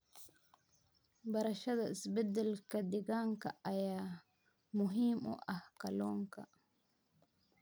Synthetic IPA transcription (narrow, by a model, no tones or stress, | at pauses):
bɐɾɐʃɐðɐʔɪsbɛd̪ɛlkʰɐd̪ɪɣaːŋkʰɐɐjaː | mʊɦiːmʊ̰ʔɐhkʰɐlɔːŋkʰɐ̰